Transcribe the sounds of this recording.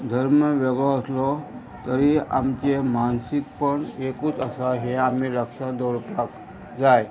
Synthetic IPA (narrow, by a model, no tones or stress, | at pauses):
d̪ʱəɾməʋeɡɭɔəslɔ | t̪əɾia̰mt͡ɕemansikpəɳekuːt͡səsaɦeamiləkʂãd̪ɔɾpak | d͡zaj